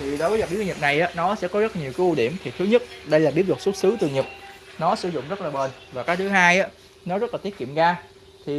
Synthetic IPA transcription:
t̪ʰi˨˩ɗo˨˦jvə˨˦jɓi˨˦˥t̪ːk̚na˨˩jʔaː˨˦nɔ˨˦sɛ̰˧˥kɔ˨˦zə˦˥laː˨ɲi˨˩əwkaː˨˦ʔu˧˩ɗi˧˩əmt̪ʰi˨˩t̪ʰɨ˨˦ɲə˦˥t̚ɗə˧jlaː˨˩ɓi˨˦əlwt̚su˦˥t̚sɨ˨˦t̪ɨ˨əɲɨ˨˩k̚nɔ˨˦sɨ˨˧˦zʊ̰˧˨ŋ͡mzə˦˥t̚laː˨˩ɓəː˨˩nvaː˨˩kaː˨˦jt̪ʰɨ˨˦ɦaː˧jʔaː˨˦ | nɔ˨˦zə˦˥laː˨t̪i˦˥ət̚kḭ˧˨mɣaː˧ | t̪ʰi˨˩

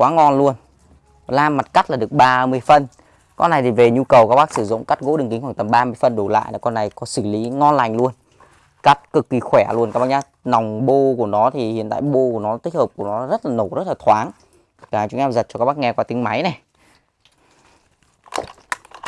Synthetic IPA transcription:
kwaː˨˦ŋɔ˧nlu˧ən | laː˧mːa˨˩t̚ka˦˥t̚laː˨˩ɗɨ˨˩ək̚ɓaː˧mɨ˧əjfə˧n | kɔ̰˧na˨˩jt̪i˨˩ve˨˩ɲu˧kə˨˩wkaː˦˥k̚ɓaː˦˥k̚sɨ˧˩zʊ̰˧˨ŋ͡mka˦˥t̚ɣo̰˧˥ɗɨ˨˩ŋki̟˨˦xwaː˧˩ŋt̪ə˨˩mɓaː˧mɨ˧əjfə˧nɗo˧˩la̰ː˧˨jnɔ˨˦kɔ˧nːa˨˩jkɔ˨˦sɨ˧˩li˨˦ŋɔ˧nla˨˩jŋ̟lu˧ən | ka˦˥t̚kɨ˨˩kːi˨˩xwɛ˧˩lu˧ənkaː˦˩ɓaː˧˩ɲaː˧ | na˨˩wŋ͡mɓo˧ku˧˩ənɔ˨˦t̪ʰi˨˩hḭ˧˨ənt̪a̰ː˧˨jɓo˧ku˧˩ənɔ˨˦˧t̪i̟˦˥həː˨˩p̚ku˧˩ənɔ˨˦zə˦˥t̚laː˨˩no˧˩zə˦˥t̚laː˨˩t̪ʰwaː˨˦n | kaː˨˩t͡ɕʊ˨˦ʔɛ˧mzə˨˩t̚t͡ɕɔ˧aː˦˥kɓaː˦˥kŋɛ˧kwaː˧t̪ï˨˦ŋma˨˦jnɛ˨˩

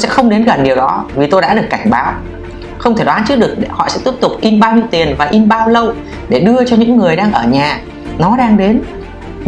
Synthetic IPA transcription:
jsɛ̰˧˥xə˧wŋ͡mɗe˨˦nɣə˨˩nɗi˨˩əwɗɔ˨˦vi˨˩t̪o˧jɗa̰ː˧˥ɗɨ˨˩əkːa˧˩jŋ̟ɓaː˨˦w | xə˧wŋ͡mt̪ʰe˧˩ɗwaː˨˦nt͡ɕɨ˦˥ɗɨ˨˩ək̚hɔ̰˧˨sɛ̰˧˥t̪i˦˥p̚t̪ʊ˨˩k͡p̚ʔi˧mɓaː˧wɲi˧əwt̪i˨˩ənvaː˨˩ʔi˧mɓaː˧wlə˧w | ɗe˧˩ɗɨ˧ət͡ɕɔ˧ɲɨ̰˧˥ŋːɨ˨˩əjɗaː˧ŋʔəː˧˩ɲaː˨˩ | nɔ˨˦ɗaː˧ŋɗe˨˦n

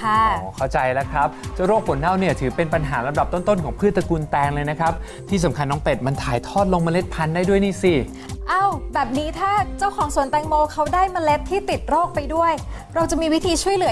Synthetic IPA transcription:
kʰa˥˩ɔ˦kʰa˥˩wt͡ɕa˧jlɛ˦˥kʰɾa˦˥p̚t͡ɕa˥˩wɾoː˥˩k̚fʰo˩˦nːa˥˩wniː˥˩ɐt̪ʰɯː˩˦pe˧npa˧nɦaː˩˦ɾa˧mda˨˩p̚t̪o˥˩nt̪o˥˩nkʰɔː˩˦ŋpʰɯ˥˩t̪sa˧kuː˧nt̪ɛː˧ŋlɤː˧jna˦˥kʰɾa˦˥p̚ | t̪ʰiː˥˩sa˩˦mkʰa˧nːɔː˦˥ŋpe˨˩t̪̚ma˧nt̪ʰaː˨˩˦jt̪ʰɔː˥˩t̪̚lo˧ŋma˧le˦˥t̪̚pʰa˧ndaː˥˩jdu˥˩əjniː˥˩si˧˩ | ʔa˥˩wbɛː˨˩p̚niː˦˥t̪ʰaː˥˩t͡ɕa˥˩wkʰɔː˩˦ŋsu˨˩ənt̪ɛː˧ŋmoː˧kʰa˦˥wdaː˥˩jma˧le˦˥t̪ʰːiː˥˩t̪i˨˩t̪̚ɾoː˥˩k̚pa˧jdu˥˩əj | ɾa˧wt͡ɕa˨˩miː˧wi˦˥t̪ʰiː˧t͡ɕʰu˥˩əjlɯ˨˩˦

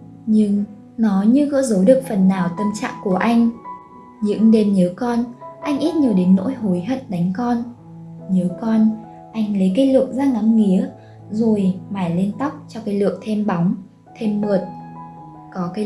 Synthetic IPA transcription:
ɲɨ˧ŋ | nɔ˨˦ɲɨ˧ɣɔ̰ː˧˥zə˨˦ɗɨ˨˩ək̚fə˨˩nːaː˨˩wt̪ə˧mt͡ɕa̰ː˧˨ŋku˧˩əʔa˧jŋ̟ | ɲɨ̰˧˥ŋɗe˧mɲəː˨˦kɔ˧nʔa˧jŋ̟ʔi˦˥t̚ɲi˨˩əwɗe˨˦ŋ̟no̰˧˥jɦo˨˦jɦə̰˧˨n̚ɗa˨˦jŋ̟kɔ˧n | ɲəː˨˦kɔ˧n | ʔa˧jŋ̟lə˨˦jka˨˦jlɨ˨˩ək̚zaː˧ŋa˨˦mŋi˨˦ə | zo˨˩jmaː˨˩jli˧nt̪a˦˥wk͡p̚t͡ɕɔ˧kaː˨˦jlɨ̰˧˨ək̚t̪ʰe˧mɓa˨˦wŋ͡m | t̪ʰe˧mːu˨˩ət̚ | kɔ˨˦kaː˨˦

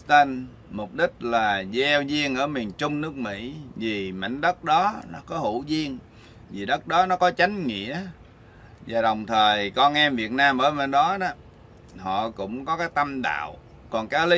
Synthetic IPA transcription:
t̪ə˧n | mʊ˨˩k͡p̚ɗï˦˥k̟̚laː˨˩zɛ˧wzi˧əŋʔəː˧˩mi˨˩ənt͡ɕʊ˧ŋ͡mnɨ˦˥ək̚mḭ˧˥vi˨˩ma̰˧˩ŋ̟ɗə˦˥t̚ɗɔ˨˦nɔ˨˦kɔ˨˦hu˧˩zi˧əŋ | vi˨˩ɗə˦˥k̚ɗɔ˨˦nɔ˨˦kɔ˨˦t͡ɕa˨˦jŋ̟ŋḭ˧˨˥ə | zaː˨˩ɗə˨˩wŋ͡mt̪ʰəː˨˩jkɔ˧nʔɛ˧mvi˨˩ət̚naː˧mɓəː˧˩jmə˨˩nɗɔ˨˦ɗɔ˨˦ | hɔ̰˧˨kʊ̰˧˥ŋ͡mkɔ˨˦kaː˨˦jt̪ə˧mɗa̰ː˧˨w | kɔ˨˩nkaː˨˦li˨˦

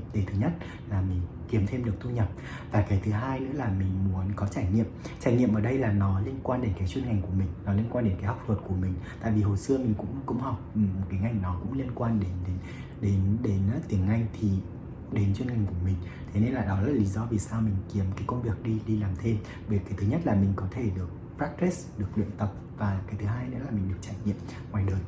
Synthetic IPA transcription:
ɗe˨˦jt̪ʰɨ˨˦ɲə˦˥t̚ | laː˨˩mï˨˩ŋ̟ | ki˨˦əmt̪ʰe˧mɗɨ˨˩ək̚t̪u˧ɲə˨˩p̚ | vaː˨˩kaː˨˦jt̪ʰɨ˨˦ɦaː˧jnɨ̰˧˥laː˨˩mï˨˩ŋ̟mu˨˦ənkɔ˨˦t͡ɕaː˧˩jŋḭ˧˨əmt͡ɕaː˧˩jŋḭ˧əmʔəː˧˩ɗə˧jlaː˨˩nɔ˨˦li˧ənkwaː˧nɗe˨˦nkaː˨˦jt͡ɕwnŋa˨˩ŋ̟ku˧˩əmï˨˩ŋ̟nɔ˨˦li˧ənkwaː˧nɗe˨˦nkaː˨˦jha˦˥wk͡p̚t̪wə˨˩t̚ku˧˩əmï˨˩ŋ̟t̪a̰ː˧˨vi˨˩ho˨˩jsɨ˧əmï˨˩ŋ̟kʊ̰˧˥ŋ͡mkṵ˧˨wŋ͡mha˨˩wk͡p̚mo˨˩t̚kaː˨˦ŋa˧jŋ̟nɔ˨˦kʊ̰˧˥ŋ͡mli˧ənkwaː˧nɗe˨˦nɗe˨˦n | ɗe˨˦nɗe˨˦n˧t̪i˨˩əŋŋa˧jŋ̟t̪ʰi˨˩ | ɗe˨˦nt͡ɕwi˧nŋha˨˩ŋ̟ku˧˩əmï˨˩ŋ̟ | t̪ʰe˨˦ne˧nlaː˨˩ɗɔ˨˦z̚li˨˦zɔ˧vi˨˩saː˧wmï˨˩ŋ̟ki˨˩əmkaː˨˦jkə˧wŋ͡mvi˨˩ək̚ɗi˧ɗi˧laː˨˩mt̪ʰe˧m | ve˨˩kaː˨˦t̪ʰɨ˨˦ɲə˦˥t̚laː˨˩mï˨˩ŋ̟kɔ˨˦t̪ʰe˧˩ɗɨ˨˩ək̚fa˦˥k̚t̪e˦˥sɗɨ˨˩ək̚lwḭ˧˨ənt̪ə˨˩p̚vaː˨˩kaː˨˦jt̪ʰɨ˨˦ɦaː˧jnḛ˧˥aː˨˩mï˨˩ŋ̟ɗɨ˨˩ək̚t͡ɕaː˧˩jŋḭ˧˨əm | ŋwaː˨˩jɗəː˨˩j

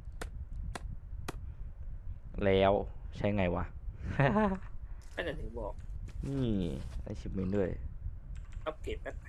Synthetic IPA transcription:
lɛː˦˥wt͡ɕʰa˦˥jŋa˧jwa˦˥˦ | kaː˥˩t͡ɕa˨˩t̪ʰɯ˨˦bɔː˨˩k̚miː˧˥˩a̰˧˥˩t͡ɕʰi˨˧˩p̚me˧˦lɯ˥˩əj | a˦˥p̚ke˨˩p̚ːa˦˥

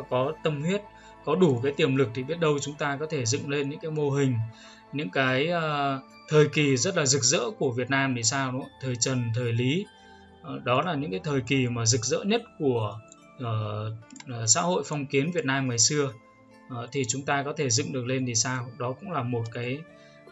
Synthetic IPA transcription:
kɔ˨˦t̪ə˧mhwi˦˥ət̚ | kɔ˨˦ɗu˧˩kaː˨˦jt̪i˨˩əmlɨ˨˩k̚t̪ʰi˨˩ɓi˦˥ət̚ɗə˧wt͡ɕʊ˨˦ŋ͡mt̪aː˧kɔ˨˦t̪ʰe˧˩zɨ̰˧˨ŋle˧nɲɨ̰˧˥ŋkaː˨˦jmo˧ɦï˨˩ŋ̟ | ɲɨ̰˧˥ŋkaː˨˦jː | t̪ʰəː˨˩jki˨˩zə˦˥t̚laː˨˩zɨ˨˩k̚zə̰ː˧˥ku˧˩əvi˨˩ət̚naː˧mɗi˨˩saː˧wnṵ˧˦˥t̪ʰəː˨˩jt͡ɕə˨˩nt̪ʰəː˨˩jli˨˦ | ɗɔ˨˦laː˨˩ɲɨ̰˧˥ŋkaː˨˦jt̪ʰəː˨˩jki˨˩maː˨˩zɨ˨˩k̚zə̰ː˧˥ɲə˦˥t̚ku˧˩əː˧˩˨ | sa̰ː˧˥ho̰˧˨jfɔ˧wŋ͡mki˨˦ənvi˨˩ət̚naː˧mŋaː˨˩jsɨ˧ə˨˩ | t̪ʰi˨˩t͡ɕʊ˨˦ŋ͡mt̪aː˧kɔ˨˦t̪ʰe˧˩zɨ̰˧˨ŋɗɨ˨˩ək̚le˧ni˨˩saː˧wɗɔ˨˦kʊ̰˧˥ŋ͡mlaː˨˩mo˨˩t̚kaː˨˦j

